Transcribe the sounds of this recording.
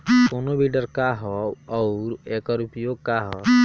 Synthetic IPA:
konobiɖəɾkaɦɔɔʊɾekɔɾupjoɡ̚kaɦɔ

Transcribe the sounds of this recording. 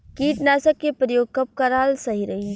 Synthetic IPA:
kiːʈnaːsəkːepɾəjoːɡ̚kɐp̚kaɾaːlsɐɦiɾɐɦi

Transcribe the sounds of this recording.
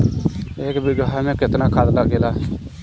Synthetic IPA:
ɪkbɪɡɦaːmɛ̃ːkɪt̪naːkʰad̪laːɡeːlaː

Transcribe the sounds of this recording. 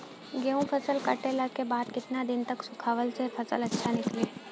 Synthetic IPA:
ɡeũpʰɐsəlkɐʈelakebaːd̪kɪt̪nad̪ɪnt̪ɐksʊkʰaːʋəlsepʰɐsəlɐtːʃʰanɪkleː

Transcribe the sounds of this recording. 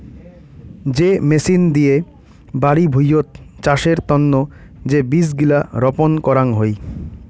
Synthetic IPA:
d͡ʑemesind̪ie | baɽibʱujot̪̚t͡ɕaʃeɾt̪ɔnːo | d͡ʑebis̬ɡilaɾɔponkɔɾaŋɦoj

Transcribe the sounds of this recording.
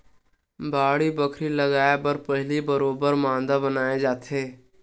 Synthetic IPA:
baːɽibəkʰɾiləɡaːebəɾpəɦlibəɾoːbəɾmãːnd̪abənaːed͡ʒaːt̪ʰeː

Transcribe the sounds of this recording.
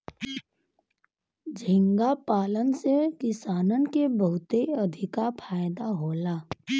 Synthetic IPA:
d͡ʒʱɪ̃ŋɡapaːlənsekɪsaːnənkebəɦʊt̪eəd̪ʱɪkapʰaːjd̪aɦoːlaː

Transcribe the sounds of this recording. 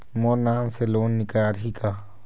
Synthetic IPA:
monaːmseloːnːɪkaːɾɦikaː

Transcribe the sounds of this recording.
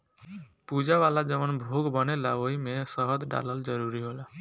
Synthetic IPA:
pud͡ʒaʋalad͡ʒəʋənbʱoɡbənelaoɦimesəɦəd̪ɖa̰ləld͡ʒəɾuɾiɦola

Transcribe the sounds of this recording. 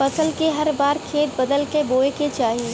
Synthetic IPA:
fɐsəlkeɦɐɾbaːɾkʰeːt̪̚bɐd̪əlkeboːeket͡ʃaːɦiː

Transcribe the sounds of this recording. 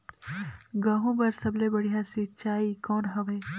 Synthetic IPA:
ɡaːɦũbɐɾsɐblebɐɽijãsit͡ʃaːikɔːnɦɐʋeː

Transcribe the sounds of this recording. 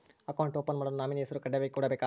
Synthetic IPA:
ɐkɐwɳʈoːpːɐnmɐɽɐnunaːminijɐsɐɾukɐɖːɐʋɐjkuːɽɐbeːkaː

